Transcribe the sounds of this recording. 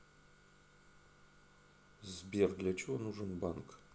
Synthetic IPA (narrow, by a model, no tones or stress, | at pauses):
zbʲerd̪lʲat͡ʃʰewonuʐɨnbank